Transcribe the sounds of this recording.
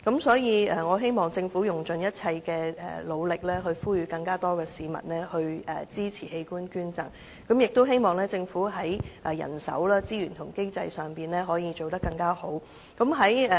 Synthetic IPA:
kɐ˨˥msɔː˨˥jiː˨˧ɛ˨ŋɔː˨˧ɦe˥jmɔː˨˩ŋt͡sɪ˧ŋfu˨˥jʊ˨˩ŋt͡ʃɵ˨njɐ˥t̚t͡sʰɐ˧jkɛː˧ɛ̰ː˨˩lo˨˧wlɪ˨k̚lɛː˥ɦɵ˧ɥfuː˥jɥyː˨˧˥kɐ˧ŋkaː˥t̪ɔː˥kɛː˧siː˨˧mɐ̰˨t̚lɛː˥hɵ˧ɥɛ̰ː˨˩t͡siː˥t͡sʰiː˨˩he˧jkuː˥nkyː˥nt͡sɐ̰˨˩ŋ | kɐ˨˥mjɪ˨k̚t̪o˥wɦe˥jmɔː˨ŋlɛː˥t͡sɪ˧ŋfuː˨˥ɦɐ˨˥jʔɛ˨jɐ̰˨˩nsɐ̰˨˥wlaː˥t͡siː˥jyː˨˩nt̪ʰʊ˨˩ŋke˥jt͡sɐ˧jsœː˨˩ŋpiː˨nɛː˥ɦɔː˨˥jiː˧t͡ʃo˨wt̪ɐ˥kːɐ˧ŋkaː˥ho˨˥w | kɐ˨˥mɦɐ˨˥jɛ˨

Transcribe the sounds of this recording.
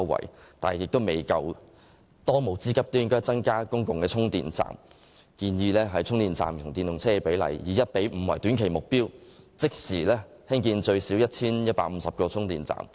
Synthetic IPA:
wwɐ̰˨˩jt̪aː˨n˨jɪ˨k̚t̪o˥wme˨˩jkɐ˧w | t̪ɔː˥mo˨wt͡siː˥kɐ˥p̚t̪oː˥jɪ˥ŋkɔː˥jt͡sɐ˥nkaː˥kʊ˥ŋkʊ˨ŋkɛː˧t͡sʰʊ˥ŋt̪ḭː˨nt͡sa̰ː˨m | kiː˧njiː˧lɛː˥ɦɐ˨jt͡ʃʰʊ˥ŋt̪iː˨nt͡sa̰ː˨mt̪ʰʊ˨˩ŋt̪iː˨njʊ˨ŋt͡sʰɛː˥˧pe˨˥jlɐ̰˨jjiː˨˩jɐ˥t̚pe˨˥jm̩˨˩wɐ˨˩jt̪y˨˥nkʰe˨˩jmʊ˨k̚piː˥w | t͡sɪ˥k̚siː˨˩lɛː˥ | hɪ˥ŋkiː˧nt͡ʃɵ˧ɥsiː˨˥wjɐ˥t̚t͡sʰiː˥njɐ˥t̚paː˧˥m̩˨˧˦sɐ˨p̚kɔː˧t͡sʰʊ˥ŋt̪iː˨nt͡sa̰ː˨m

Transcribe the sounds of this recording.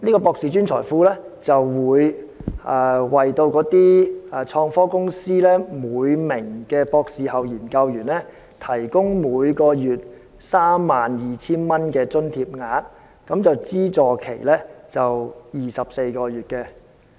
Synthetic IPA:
niː˥kɔː˧pɔː˧k̚siː˨˧t͡ʃyː˥nt͡ʃʰɔ̰ː˨˩jfuː˨˥lɛː˥ | t͡sɐ˨wwuː˨˧jɛː˨˧wɐ˨jt̪o˧wkɔː˨˥t̪iː˥ɛː˨˧t͡ʃʰɔː˧ŋfɔː˥kʊ˥ŋsiː˥lɛː˥muː˨˧jmɪ˨˩ŋkɛː˧pɔː˧ksiː˨˧hɐ˨wjiː˨˩nkɐ˧wjyː˨˩nlɛː˥ | t̪ʰɐ˨˩jkʊ˥ŋmuː˨˧jkɔː˧jyː˨˩t̚ | saː˥mːaː˨njiː˨t͡sʰiː˥nmɐ˥nkɛː˧t͡sɵ˥nt̪ʰiː˧p̚ŋaː˨˧˥t | kɐ˨˥mt͡sɐ˨wt͡siː˥t͡sɔː˨kʰe˨˩jlɛː˥t͡sɐ˨wjiː˨sɐ˨p̚se˧jkɔː˧jyː˨˩t̚kɛ˧

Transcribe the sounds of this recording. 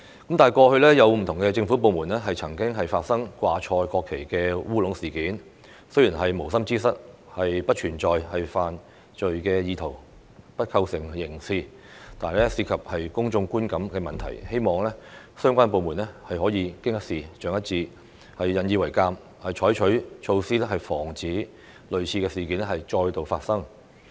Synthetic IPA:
kɐ˨˥mt̪aː˨jkɔː˧hɵ˧ɥlɛː˥jɐ˨˧wm̩˨˩t̪ʰʊ˨˩ŋkɛː˧t͡sɪ˧ŋfu˨˥p̬o˨˧wmuː˨˩nlɛː˥ɦɐ˨jt͡sʰɐ˨˩ŋkɪ˥ŋɦɐ˨jfaː˧t̚sɐ˥ŋkʷwaː˧t͡ʃʰɔː˧jkɔː˧kʰːe˨˩jkɛː˧wuː˥lʊ˨˥ŋsiː˨˩kiː˨˥n | sɵ˥ɥjiː˨˩nɦɐ˨jmo˨˩wsɐ˥mt͡siː˥sɐ˥t̚ | hɐ˨jpɐ˥t̚t͡ʃʰyː˨˩nt͡ʃɔː˨jhɐ˨jfaː˨n | t͡ʃɵ˨ɥkɛː˧jiː˧t̪ʰo˨˩w | pɐ˥t̚kʰɐ˧wsɪ˨˩ŋjɪ˨˩ŋsiː˧ | t̪aː˨n˨˧lɛ˥si˧kʰɐ˨p̚hɐ˨jkʊ˥ŋt͡ʃʊ˧ŋkuː˥nkɐ˨˥mkɛː˧mɐ˨nt̪ʰɐ̰˨˩jhe˥jmɔː˨˩ŋlɛː˥ | sœː˥ŋkʷaː˥np̬o˨˧wmuː˨˩nlɛ˥hɐ˨jɦɔː˨˥jiː˨˧kɪ˥ŋjɐ˥k̚siː˨t͡ʃœː˨˧ŋjɐ˥t̚t͡siː˧ | hɐ˨jːɐ˨njiː˧wɐ˨˩jkaː˧m | hɐ˨jt͡ʃʰɔː˨˥jt͡ʃʰɵ˨˥ɥt͡ʃʰo˧wsiː˥lɛ˥ɦɐ˨jfɔː˨˩ŋt͡siː˨˥ | lɵ˨ɥt͡sʰiː˧kɛː˧siː˨˩kiː˨˥nlɛ˥hɐ˨jt͡ʃɔː˧jt̪o˨˧wfaː˧t̚sɐ˥ŋ

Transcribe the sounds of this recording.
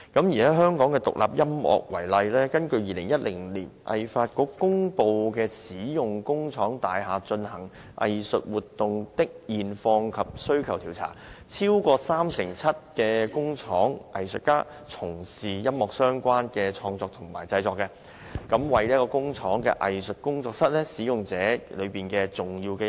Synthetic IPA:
kɐ˨˥mjiː˨˩aɛ˦˥ɦœː˥ŋkɔː˨˥ŋkɛː˧t̪ʊ̰˨k̚lʔa̰ː˨p̚jɐ˥mʔɔ̰ː˨k̚wɐ˨˩jlɐ˧jlɛː˥kɐ˥nkɵ˧ɥjiː˨˧lɪ˨˩ŋjɐ˥t̚lɪ˨˩ŋliː˨˩nʔɐ̰˨jfaː˧t̚kɔː˧˥kkːʊ˥ŋpo˧wkɛː˧siː˨˥jʊ˨ŋkʊ˥ŋt͡ʃʰɔː˨˥ŋt̪aː˨jɦaː˨t͡ʃɵ˧nhɐ˨˩ŋ | ʔɐ̰˨jsɵ˨t̚wuː˨t̪ːʊ˨ŋt̪ɪ˥k̚jiː˨nfɔː˧ŋkʰɐ˨p̚sɵ˥ɥkʰɐ˨˩wt̪ʰiː˨˩wt͡sʰa̰ː˨˩t͡sʰiː˥wkʷɔː˧saː˥msɪ˨˩ŋt͡sʰɐ˥t̚kɛː˧kʊ˥ŋt͡sʰɔː˨˥ŋʔɐ̰˨jsɵ˨t̚kaː˥ | t͡sʰʊ˨˩ŋsiː˨˩jɐ˥mmɔː˨k̚sœː˥ŋkʷaː˥nkɛː˧t͡ʃʰɔː˧ŋt͡sɔː˧k̚t̪ʰʊ˨˩ŋma̰ː˨˩jt͡sɐ˧jt͡sɔː˧kːɛ˧ | kɐ˨˥mwɐ˨˧jliː˥kɔː˧kʊ˥ŋt͡ʃʰɔː˨˥ŋkɛ̰ː˧ʔɐ˨jsɵ˨t̚kʊ˥ŋt͡sɔː˧k̚sɐ˥t̚lɛ˥siː˨˥jʊ˨ŋt͡sɛː˨˥lɵ˨˧ɥpiː˨nkɛː˧t͡sʊ˨ŋjiː˧wkɛː˧

